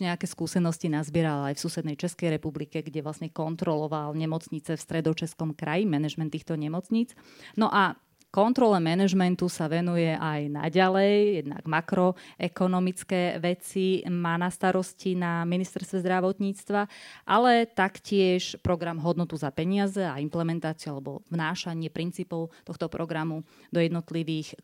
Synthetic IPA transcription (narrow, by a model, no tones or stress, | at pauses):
ɲɛakɛːskuːsɛnɔscinazbɪɛɾalajfsuːsɛd̪nɛjt͡ʃɛskɛjɾɛpublikɛɡɟɛʋlasɲɛkɔnt̪ɾɔlɔʋalɲɛmɔt͡sɲit͡sɛfst̪ɾɛd̪ɔt͡ʃɛskɔmkɾajimɛnɛʒmɛnt̪ːiːxt̪ɔɲɛmɔt͡sɲiːt͡s | nɔʔa | kɔnt̪ɾɔlɛmɛnɛʒmɛnt̪usaʋɛnujɛʔajna̰ɟalɛjjɛd̪na̰ɡmakɾɔʔɛkɔnɔmit͡skɛːʋɛt͡simaːnast̪aɾɔscinaminist̪ɛɾst̪ʋɛzd̪ɾaʋɔt̪ɲiːt͡st̪ʋaʔalɛt̪akcɪɛʃpɾɔɡɾamɦɔd̪nɔt̪uzapɛɲɪazɛaimplɛmɛnt̪aːt͡siʊalɛbɔ̰vnaːʃaɲɪɛpɾint͡siːpɔʊt̪ɔxt̪ɔpɾɔɡɾamud̪ɔjɛd̪nɔt̪liʋiːx